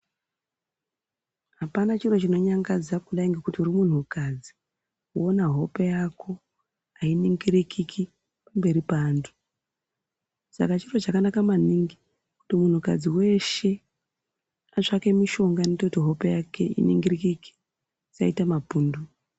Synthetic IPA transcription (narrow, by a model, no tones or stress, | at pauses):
ɦapanat͡ʃiro̞t͡ʃino̞ɲaŋɡad͡zakuɗaiŋɡekutiurimun̤ukad͡zi | kuonaɦo̞pejakʰo̞ | ainiŋɡiɾikʰikʰi | pambe̞ɾipaːndʰu̥ | sa̰kat͡ʃiro̞t͡ʃakanakamaniŋɡi | ku̥timun̤uka̰d͡ziwe̞ʃe̞ | at͡ʂake̞miʃo̞ŋɡanetoutiɦo̞pejake̞̰ʔḭnḭŋɡirikiki̥ | sa̰itamapuːndu